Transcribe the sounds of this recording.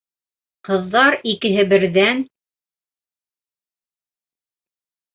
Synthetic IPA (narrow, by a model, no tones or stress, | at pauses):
qɤ̆ðːɑɾikɘ̆ɦɘbɘ̆ɾðæn